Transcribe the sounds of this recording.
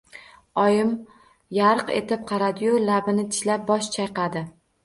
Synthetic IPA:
ɒjɪm | jaɾqe̞̰t̪ɪp̚qʰɑɾad̪ɪjʊlabɪnɪt̪ʰɪ̥ʃlap̚bɒʃt͡ʃʰajqɑd̪ɪ

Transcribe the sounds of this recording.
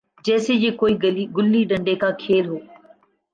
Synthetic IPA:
d͡ʒɛːsejeːkoːiːiɡʊlːiɗə̃ɳɖekakʰeːlɦoː

